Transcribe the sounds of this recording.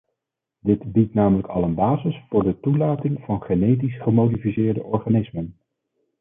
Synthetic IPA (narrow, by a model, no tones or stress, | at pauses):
dɪtbitnaːmələkɑlənbaːzəsfʊːɹdətulaːtɪŋvɑnχenejt̬isχəmowdifisɪːɹdəʔɔɹχaːnɪsmən